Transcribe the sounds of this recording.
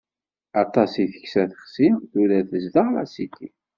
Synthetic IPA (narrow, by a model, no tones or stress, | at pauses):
ɑt̪ˤɑsiθə̥ksæθə̥χsimθuɾæθəzd̪əʁlæ̰sit̪ːi